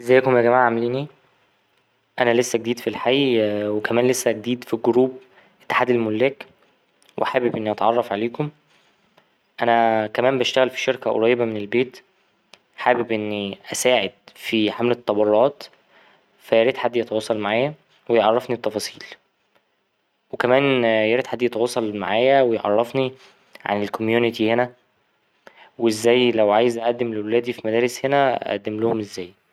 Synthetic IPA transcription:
ʔezæjːækomjæɡæmaːʕʕamliːni | ʔænælesːæɡ̚d̪iːd̪filħajwekæmæːnlesːæɡd̪iːd̪fiɡoɾuːb | ʔe̥t̪ːe̥ħaːd̪elmolːæːk | wʔħaːbebʔenːiʔɑt̪ʕɑrˤːɑfʕaleːkom | ʔænækæmæːmbæʃt̪æɣælfi̥ʃeɾkæʔo̰ɾˤɑjːebæmenelbeːt̪ | ħaːbebʔenːiʔæsæːʕed̪̥̚fiħamlet̪ˤːɑbɑɾˤɑːt̪ | fæjæɾid̪ħad̪ːjet̪ɑwɑsˤːɑlmaʕaːjæ | wejʕɑrˤːɑfnit̪ːɑfɑːsˤiːl | wekæmæːnjæɾid̪ħad̪ːjet̪ɑwɑsˤːɑlma̰ʕaːjæwejeʕɑ̰rˤːɑfni | ʕa̰nelkomjuːnɪt̪ihenæ | weezːæːjlæwʕaːjezʔæʔæd̪ːemlewelæːd̪ifimæd̪æːɾeshenææ̰ʔæ̰d̪ːemlohomʔezːæːj

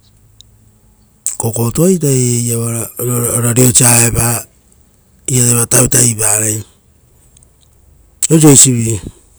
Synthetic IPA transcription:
koko̞tojt̬aejaβaɾaoɾaɾiot͡ʃiaepa | iateβatawtaiβaɾej | os̬ojsiβi

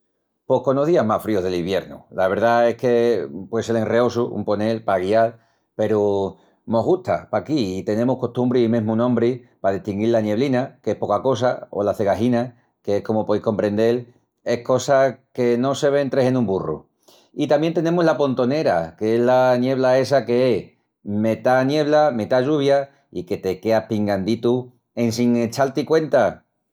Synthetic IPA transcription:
po̞hko̞noðiamafɾio̞ɦðe̞liβje̞ɾnṵlaβe̞ɾðae̞hke̞pwe̞ðeselenre̞o̞suṵmpo̞ne̞lpaɣial | pe̞ɾu | mo̞ɦɣut̪apakiːt̪e̞nẽ̞muhko̞ht̪umbɾiimẽ̞ɦmũnõmbɾipaðiht̪iŋɡilanje̞β̞linakeehpo̞kako̞s̬ao̞̰laθe̞ɣaɦina | ke̞ehko̞mopo̞iko̞mpɾe̞nd̪e̞l | e̞hko̞sake̞no̞se̞β̞e̞nt̪ɾe̞se̞nũmburṵ | it̪amjent̪e̞nẽ̞muzlapo̞nt̪o̞ne̞ɾa̰keeɦlanje̞β̞lae̞s̬ake̞eh | me̞t̪anje̞β̞lame̞t̪aʝuβ̞ja | ike̞t̪e̞ke̞apiŋɡand̪it̪u | e̞nsiŋe̞t͡ʃalt̪ikwe̞nt̪a

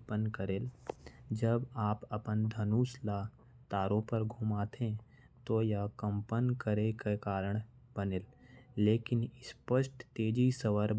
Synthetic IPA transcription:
pənkəɾeːld͡ʒəbaːpɐpənd̪ʱɐnuːslaː | t̪aːɾõpəɾɡʱuːmaːt̪ʰẽ | t̪ojakə̃mpənkəɾekekaːɾəɽ̃ | b̥ənelːeːkɪnɪspəʃʈt̪eːd͡ʒisəwəɾ

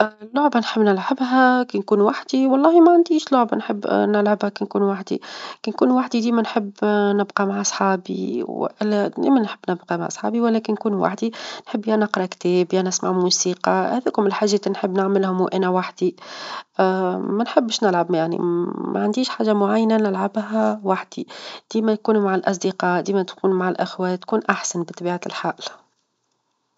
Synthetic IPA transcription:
ʔlːʊʕbanħəbːnɪlʕabɦækinkuːnwaħd̪iwɑlˤːɑːhimæʕand̪iːʃlʊʕbanħɪbːnɪlʕabhækinkuːnwaħd̪ḭkinkuːnwaħd̪id̪iːmænħəbːnɪbqɑmaʕɑsˤħɑːbḭʔlːd̪ḭːmænħəbːnɪbqɑma̰ʕsˤħɑ̰ːbiwælɛːkɪnːkuːnwa̰ħd̪inħɪbːjænɑqɾˤɑkt̪ɛːbjanɪsma̰ʕmuːsiːqɑhæðækʊmɪlħaʒːɛːt̪nħəbːnɪʕmɪlhʊmwʔænɛwaħd̪i | mænħəbːʃnɪlʕabmjaʕnḭmæ̰ʕand̪iːʃħaːʒːamʊʕajːnænɪlʕabɦæwaħd̪̥id̪̥iːmɛnkuːnumaʕalʔɑs̬ˤd̪iqɑːd̪iːmɛt̪kuːnumaʕalʔɪxwæt̪kuːnʔaħsænbɪt̪ˤːɑbiːʕalħaːʔl

